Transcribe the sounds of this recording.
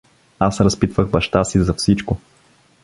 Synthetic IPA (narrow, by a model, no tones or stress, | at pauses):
asɾɐspit̪vəɣbɐʃt̪asizɐfsit͡ʃkʊ